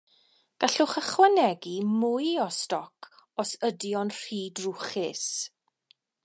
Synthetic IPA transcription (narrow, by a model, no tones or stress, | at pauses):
ɡ̥aɬʊχəχwanɛɡimʊjɔstɔkʰɔsədjɔnr̥iːdrʊχɪs